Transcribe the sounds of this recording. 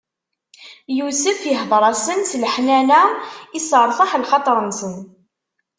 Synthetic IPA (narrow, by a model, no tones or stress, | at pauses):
jusəfjəɦðˤɾˤɑsənslħnænæisəɾˤfɑħlχɑt̪ˤɾˤənsən